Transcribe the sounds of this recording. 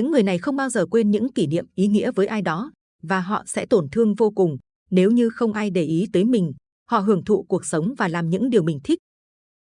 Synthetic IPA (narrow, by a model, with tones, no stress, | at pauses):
ɲɨ̰˧˥ŋːɨ˨˩əjna˨˩jxə˧wŋ͡mɓaː˧wzəː˨˩kwe˧nɲɨ̰˧˥ŋki˧˩nḭ˧˨əmʔi˨˦ŋḭ˧˥əvəː˨˦jʔaː˧jɗɔ˨˦ | vaː˨˩ɦɔ̰˧˨sɛ̰˧˥t̪o˧˩nt̪ʰɨ˧əŋvo˧kʊ˨˩ŋ͡m | ne˨˦wɲɨ˧xə˧wŋ͡mʔaː˧jɗe˧˩ʔi˨˦t̪əː˨˦jmï˨˩ŋ̟ | hɔ̰˧˨ɦɨ˧˩əŋt̪ʰṵ˧˨ku˨˩ək̚sə˨˦wŋ͡mvaː˨˩laː˨˩mɲɨ̰˧˥ŋɗi˨˩əwmï˨˩ŋ̟t̪ʰï˦˥k̟̚